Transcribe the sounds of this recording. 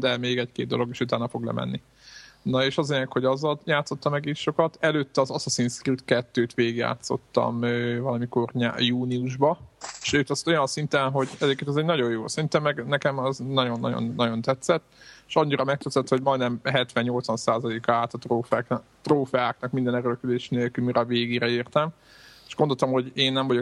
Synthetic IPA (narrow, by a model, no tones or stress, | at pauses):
d̪ɛmeːɡɛckeːd̪d̪o̞lo̞ɡeːʃut̪aːnɒfo̞ɡlɛ̰mɛ̰nːi | nɒeːʃɒzɒenɛkho̞ɟɒzːɒljaːt̪so̞t̪ːɒmɛɡiːʃo̞kɒt̪ɛløːt̪ːɛɒzɒsosinskript̪kɛt̪ːøːt̪ʋeːɡja̰ːt̪so̞̰t̪ːɒ̰møːvɒlɒmiko̞rɲa̰ːjuːniuʒbɒʃøːt̪ɛst̪o̞jɒnsint̪ɛnɦo̞ɟɛzɛeːkːeːnɔzɛɟnɒɟo̞jjoːsint̪ɛmːɛɡnɛkɛmɒznɒɟo̞nːɒ̰ɟo̰nːɒɟo̞nt̪ɛt̪sɛt̪ːeʃɒɲːiɾɒmɛk̚t̪øt̪sɛt̪ːhoɟmɒjnɛmɦɛt̪ʋɛɲːo̞lt̪sʋɒnsaːzɒleːkɒaːt̪ɒt̪roːfk | t̪roːfɛaːknɒkmind̪ɛnɛɾølkød̪eːʃneːlkylmiɾɒveːɡeːɾɛiːrt̪ɛm | eʃɡond̪olt̪ɒmho̞ɟeːnːɛɱvɒɟo